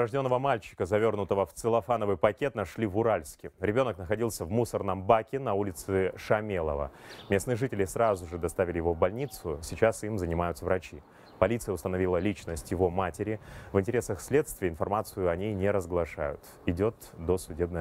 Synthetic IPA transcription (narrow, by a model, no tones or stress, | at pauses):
ɐʐdʲo̞nːəvəmalʲt͡ɕɪ̥kəzɐvʲo̞rnʊt̪əvəft̪sɨlˠɐfanəvɨjpɐkʲe̞t̪̚nɐʂlʲivʊɾalʲsʲkʲɪɾʲɪbʲo̞nəknəxɐdʲilˠsʲəvmusərnəmbakʲɪnɐulʲɪt̪sɨʂɐmʲelˠə̰və̰mʲe̞snɨjəʐɨtʲɪlʲɪsrazʊʐɨd̪ɐst̪avʲɪlʲɪjɪvo̞vbɐlʲnʲit̪sʊsʲɪt͡ɕasimzənʲɪmajʊt̪səvɾʔɐt͡ɕi | pɐlʲit̪sɨjəʊst̪ənɐvʲilˠəlʲit͡ɕnəsʲtʲjɪvo̞matʲɪɾʲɪvɨnʲtʲɪɾʲesəxsʲlʲe̞t̪st̪vʲɪjəɪnfɐrmat̪sɨjʊɐnʲejnʲɪɾəzɡlˠɐʂa̰jʊ̰t̪ | ɪdʲot̪d̪osʊdʲeb̚nəj